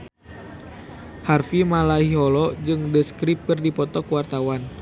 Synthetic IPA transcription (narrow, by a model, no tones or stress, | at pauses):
harfimalaɦiɦɔlɔd͡ʒɨŋdəskɾip̚kərdipɔt̪ɔkwart̪awan